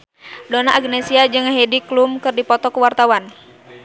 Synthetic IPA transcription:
donaʔːɡnɛsiad͡ʒɨŋaɦɛdiklumkɨrdipɔt̪ɔkuwart̪awan

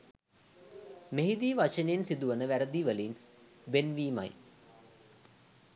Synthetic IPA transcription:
meɦid̪iːʋat͡ʃəneensid̪uʋənəʋæɾəd̪iʋəlin | benʋiːma̰j

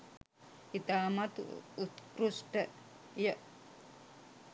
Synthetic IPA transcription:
it̪aːmat̪ut̪kɾusʈə | jə

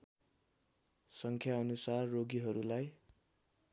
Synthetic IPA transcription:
sʌŋkʰjaʌnusarːoɡiɦʌɾulaj

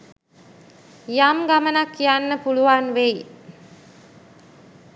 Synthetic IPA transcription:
jamɡamənakːijanːəpuluʋanʋej

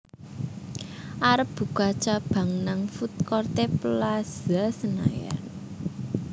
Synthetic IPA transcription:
ʔaɾəp̚b̥ṳkat͡ʃab̥a̤ŋnaŋfut̪̚kɔrt̪eplaz̥asəna̰ja̰n

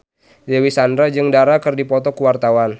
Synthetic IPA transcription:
dɛwisandɾad͡ʒɨŋdaɾakɨrdipɔt̪ɔkəwart̪awan

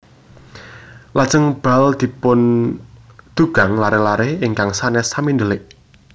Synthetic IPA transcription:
lad̥ʒ̥əŋb̥ald̪̥i̤pʊn | d̪̥ṳɡ̥a̤ŋlaɾehlaɾehɪŋkaŋsanɛsamind̪əlɪʔ

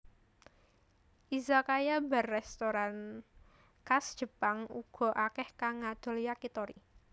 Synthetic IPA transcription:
ʔizakajabarːɛst̪oɾan | kasd̥ʒ̥ə̤paŋuɡ̥ɔ̤ʔakɛhkaŋad̪̥o̤ljakit̪ɔɾi

